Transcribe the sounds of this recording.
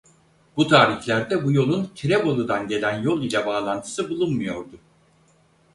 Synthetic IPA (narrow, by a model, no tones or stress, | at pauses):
but̪ʰaːɾiçlʲæɾd̪ɛbujo̞lˠuncʰiɾebo̞lˠud̪anɟe̞lʲænjo̞lˠilʲɛbaːlˠant̪ʰɯ̥sɯbulˠunmɯjo̞ɾd̪ʊ